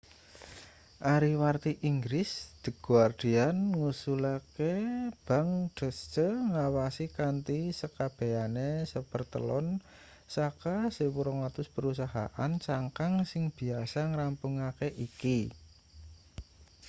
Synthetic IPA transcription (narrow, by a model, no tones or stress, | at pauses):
ʔaɾiwart̪iʔiŋɡɾɪsd̪̥ə̤ɡ̥uard̪̥i̤anŋusulakeb̥a̤ŋɖ̥ə̤st͡ʃəŋawasikant̪isəkab̥e̤anesəb̥ərt̪ə̰lɔn | sakasewuɾɔŋlat̪ʊspəɾusaɦa̰ʔant͡ʃaŋkaŋsɪŋb̥i̤asaŋɾampuŋakeʔiki